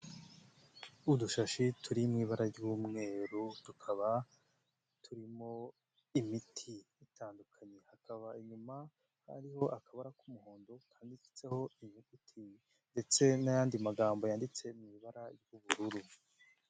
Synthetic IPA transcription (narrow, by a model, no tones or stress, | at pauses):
uduʃaʃitʰuɾimŋiːβaɾaɾɟuːmŋe̞ːɾutukʰaβa | tʰuɾimo̞ | imitʰiː | taːndukʰaɲe̞hakaβaiɲuma | ha̰ɾiho̞ʔakʰaβaɾakumuho̞ːndo̞kʰaːndifi̥t͡se̞ho̞iɲiutʰi | nde̞t͡se̞najaːndimaɡaːmbo̞jaːndit͡se̞mŋiːβaɾaɾɟuβuɾuɾu